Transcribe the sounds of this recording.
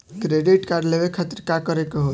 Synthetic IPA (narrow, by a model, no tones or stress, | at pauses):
kɾeɖiʈkaɾɖlebekʰət̪ɾkakəɾekeɦo